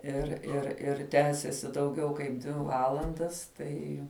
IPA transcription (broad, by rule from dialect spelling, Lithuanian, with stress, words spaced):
ɪr ɪr ɪr ˈtʲæːsʲeːsʲɪ dɐʊˈɡʲɛʊ kɐɪp ˈdʲʋʲɪ ˈʋɑːlˠɐndɐs ˈtɐɪ